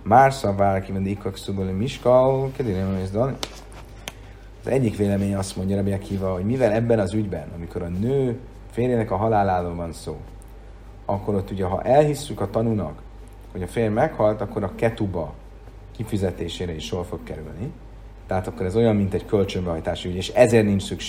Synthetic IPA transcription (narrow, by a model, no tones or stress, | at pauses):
maːrsɒbvaːɾkiond̪ikːoksubølmiʃkɒkɛd̪inemezd̪ɒn | zɛɟːikʋeːlɛmeːɲɒst̪mo̞ɲɟɒɾɛbiɛkhiːvɒɦo̞ɟmivɛlɛbːɛnɒzyɟbɛnɒmiko̞ɾɒnøː | feːrjenɛkɒɦɒlaːlaːɾoːlvɒnso̰ː | ɒkːo̞ɾo̞t̪ːuɟɛɦɒ̰ʔɛlɦisːykɒt̪ɒnunɒ̰k | ho̞ɟɒfeːrmɛkhɒlt̪ɒkːo̞ɾɒkɛt̪ubɒ | kifyzɛt̪eːʃeːɾɛiʃːorfo̞kkɛɾylni | t̪ɛɦaːt̪ɒkːo̞ɾɛzo̞jɒmmint̪ɛɟkø̞lt͡ʃømbɛɦɒjt̪aːʃiyɟeːʃɛzeːrniɲt͡ʃsykʃ